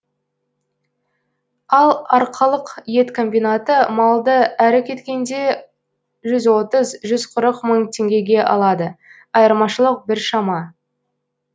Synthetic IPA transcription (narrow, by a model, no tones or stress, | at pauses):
ɑlˠɑɾqʰɑlˠəqje̞t̪kʰo̞mbijnat̪əmɑlˠd̪əæɾɪkʲʰe̞t̪kʲe̞nd̪e̞ | ʒʏzwo̞t̪əzʒʏzqʰʊɾəqməɴt̪ʲʰe̞ŋɡʲe̞ɡʲe̞ʔɑ̰lˠɑd̪ə | ɑjəɾmɑʃəlˠəq̚bɪɾʃɑmɑ